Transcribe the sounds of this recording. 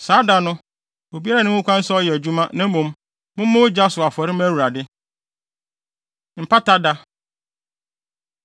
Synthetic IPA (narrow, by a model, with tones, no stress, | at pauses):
saː˨˦da˨nʊ̃˦ | o˨bi˦a˦ɾa˨nɪ̃˦ʊ̃˦kʷã˦n̩˦sa˦ɔ˦jɛ˨æ˨d͡ʑu˦mã˦nã˦mõ˨m | mʊ̃˦m˦mʊ̃˦wʊ˦d͡ʑa˦sʊ˨a˨fɔ˨ɾɪ˦m˦æ˦˨wu˨ɾa˨dɪ˦ | m̩˨pʰa˦ta˦da˦